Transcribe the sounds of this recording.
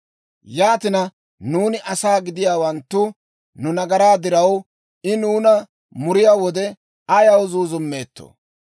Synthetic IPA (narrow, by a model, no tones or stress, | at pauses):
jaːt̪ɪnɐ | nuːnɪʔɐsaːɡɪd̪ɪjaːwɐnt̪ːʊ | nʊnɐɡɐɾaːd̪ɪɾɐw | ɪnuːnɐ | mʊɾɪjaːwɔd̪ɛ | ɐjɐwzuːzʊmːe̞ːt̪ːo̰